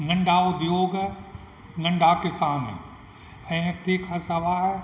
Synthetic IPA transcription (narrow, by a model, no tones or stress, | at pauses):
ŋɐ̃ɳɖʱaʊd̪ʱjoːɡ | ŋɐ̃ɳɖʱakɪsaːn | ɛ̃ːt̪ikʰãːsɐʋaɦ